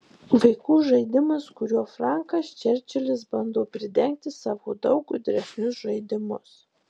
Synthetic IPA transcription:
ʋɐɪkuːʒɐɪd̪ʲɪmɐskʊɾʲuɔfɾɑˑŋkɐst͡ʃʲɛɾʲt͡ʃʲɛlʲɪsbɐnd̪oːpʲɾʲɪd̪ʲɛŋʲk̚t̪ʲɪsɑːʋoːd̪ɒʊkʊd̪ʲɾʲɛsʲnʲʊsʒɐɪd̪ʲɪmʊs

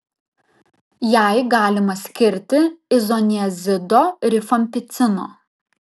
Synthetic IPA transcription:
jæˑɪɡɑːlʲɪmɐsʲkʲɪɾʲt̪ʲɪɪzɔnʲɪɛzʲɪd̪oːɾʲɪfɐmʲpʲɪt̪sʲɪno̰ː

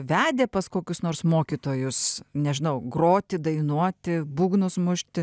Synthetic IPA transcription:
ʋʲæːd̪ʲeːpɐskoːkʲʊsnoːrsmoːkʲiːt̪oːjʊsnʲɛʒʲɪnɐʊɡroːt̪ʲɪd̪ɐɪnuɔt̪ʲɪbuːɡnʊsmʊʃʲt̪ʲɪ

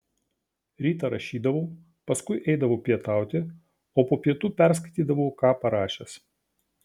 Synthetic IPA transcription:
ɾʲiːt̪ɐɾɐʃʲiːd̪ɐʋoː | pɐskʊɪʔɛɪd̪ɐʋoːpʲiɛt̪ɑˑʊt̪ʲɪ | oːpoːpʲiɛt̪uːpʲɛɾs̬kɐɪt̪ʲiːd̪ɐʋoːkɑːpɐɾɑːʃʲɛs

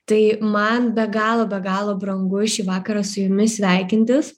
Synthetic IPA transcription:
t̪ɐɪmɐnbʲɛɡɑːlˠoːbʲɛɡɑːlˠoːbɾɐŋɡʊʃʲiːʋɑːkɐɾɑsʊjʊmʲɪsʲʋʲæˑɪkʲɪnʲt̪ʲɪs

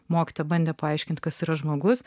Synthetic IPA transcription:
moːkʲi̥t̪oːjɛbɐnʲd̪ʲeːpɐɐɪʃʲkʲɪnʲt̪̚ʲkɐsiːɾɐʒmoːɡʊs

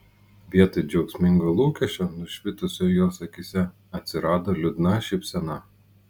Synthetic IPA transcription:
ʋʲiɛt̪ɐɪd͡ʒʲɛʊksʲmʲɪŋɡoːlˠuːkʲɛʃʲt͡ʃʲonʊʃʲʋʲɪt̪ʊsʲojoːsɐkʲisʲɛ | ɐt̪ʲsʲɪɾɑːd̪oːlʲʊd̪nɐʃʲɛɪpʲsʲɛnɐ

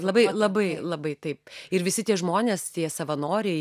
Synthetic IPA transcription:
lˠɐbɐɪlˠɐbɐɪlˠɐbɐɪt̪ɐɪpɪɾʋʲɪsʲɪt̪ʲiɛʒmoːnʲeːst̪ʲiɛsɐʋɐnoːɾʲɛɪ

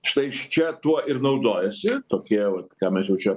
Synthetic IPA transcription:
ʃt̪ɐɪʃt͡ʃʲɛt̪uɔɪrnɐʊd̪oːjɛsʲɪt̪oːkʲiɛʋɐt̪kɑːmʲɛsjɛʊt͡ʃʲɛ

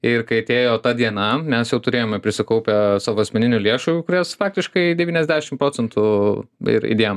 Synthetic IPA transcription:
ɪɾkɐɪɐt̪ʲeːjoːt̪ɑːd̪ʲiɛnɐmʲɛsjɛʊt̪ʊɾʲeːjoːmʲɛpʲɾʲɪsʲɪkɐʊpʲɛsɑːʋoɐsʲmʲɛnʲɪnʲʊlʲeɛʃuːkʊɾʲɛsfɑːk̚t̪ʲɪʃkɐɪd̪ʲɛʋʲiːnʲɛzʲd̪ʲæːʃʲɪmpɾoːt͡sʲɛnt̪ʊɪ̰ɾḭd̪ʲeːjom

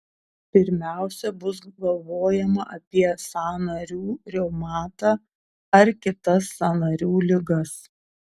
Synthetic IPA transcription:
pʲɪɾʲmʲæˑʊsʲɛbʊsɡɐlˠʋoːjɛmɐʔɐpʲiɛsɑːnɐɾʲuːɾʲɛʊmɑːt̪ɑː | ɐɾkʲɪt̪ɐsːɑnɐɾʲuːlʲɪɡɐs

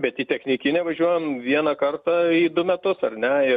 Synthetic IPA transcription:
bʲɛt̪iːt̪ʲɛxʲnʲɪkʲɪnʲɛʋɐʒʲuɔjɛmʋʲiɛnɐkɐrt̪ɑiːd̪ʊmʲɛt̪ʊsɐrnʲɛɪ

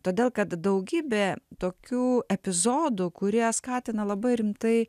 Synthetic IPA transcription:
t̪oːd̪ʲeːlˠkɐt̪d̪ɐʊɡʲiːbʲeːt̪oːkʲuːɛpʲɪzoːd̪ʊkʊɾʲiɛskɑːt̪ʲɪnɐlˠɐbɐɪɾʲɪmt̪ɐɪ

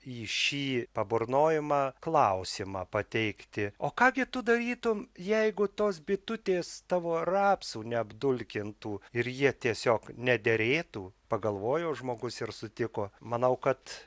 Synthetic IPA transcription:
iːʃʲiːpɐboɾnoːjɪmɑːklˠɐʊsʲimɑːpɐt̪ʲɛɪkt̪ʲɪoːkɑːɡʲɪt̪ʊd̪ɐɾʲiːt̪ʊmjɛɪɡʊt̪oːsbʲɪt̪ʊt̪ʲeːst̪ɑːʋoːrɑːpsuːnʲɛɐbd̪ʊlʲkʲɪnt̪uːɪɾjiɛt̪ʲiɛsʲoːknʲɛd̪ʲeɾʲeːt̪uːpɐɡɐlˠʋoːjoːʒmoːɡʊsɪɾsʊt̪ʲɪkoːmɐnɐʊkɐt̪

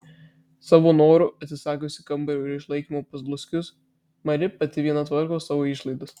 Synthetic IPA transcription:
sɑːʋoːnoːɾʊɐt̪ʲsʲɪsɑːkʲoːsʲɪkɐmbɐɾʲɛʊɪɾɪʃlˠɐɪkʲiːmoːpɐzblˠʊsʲkʲʊs | mɐɾʲɪpɐt̪ʲɪʋʲiɛnɐt̪ʋɐɾkoːsːɑːʋoːɪʃlˠɐɪd̪ʊs

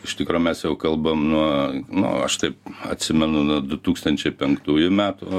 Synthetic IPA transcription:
ɪʃt̪ʲɪkɾoːmʲɛsjɛʊkɐlˠbɐmnuɔnʊ̰ɐʃt̪ɐɪp̚ɐ̰t̪ʲsʲɪmʲɛnʊnuɔd̪ʊt̪uːkst̪ɐnʲt͡ʃʲɛɪpʲɛŋkt̪uːjʊmʲæːt̪ʊ

